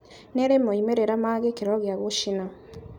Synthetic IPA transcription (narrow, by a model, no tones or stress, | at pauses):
neɾemoimeɾeɾamaɣekeɾɔɣjaɣoʃina